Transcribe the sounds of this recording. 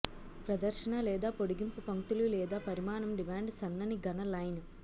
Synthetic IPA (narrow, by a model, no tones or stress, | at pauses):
pɾɐd̪ɐɾʃɐnalɛːd̪aːpoɽuɡimpupɐŋt̪ululɛːd̪aːpɐɾimaːnɐmɖimaːɳɖsɐnːɐniɡɐnɐlɐjnu